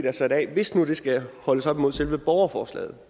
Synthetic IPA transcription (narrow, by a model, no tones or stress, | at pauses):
d̥æsɒ̽idɛ̰ːʋe̝snuɾ̥e̝sɡ̥æhɒ̽ləsɒ̽b̥imo̝ð̰ˠselʋəb̥ɒʊɐfɒːslɛ̰ːð̩ˠ